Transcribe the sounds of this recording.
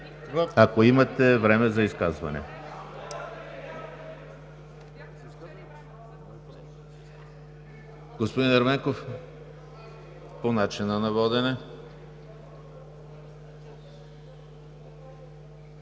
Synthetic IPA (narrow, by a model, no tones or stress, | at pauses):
akoimɐt̪ɛvɾɛmɛzɐiskazvɐ̰nɛ̰ | ɡ̥ospod̪inɐɾmɛŋkof | ponat͡ʃinɐnɐvɔd̪ɛnɛ